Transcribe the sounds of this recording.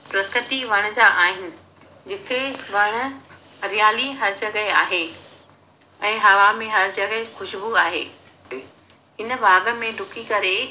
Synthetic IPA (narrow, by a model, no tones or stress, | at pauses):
pɾɐt̪ʰɪt̪iʋɐɽ̃d͡ʑaːʔaːɦɪnɪ̆ | d͡ʑɪt̪ʰeʋɐɽ̃ʊ̆ | ɾijaːliɦɐɾd͡ʑɐɡəeaːɦe | ɛ̃ːɦɐʋamẽɦɐɾd͡ʑɐɡəexʊʃbuaːɦḛː | ɦɪnə̆baːɡə̆mẽɖʱʊkikɐɾe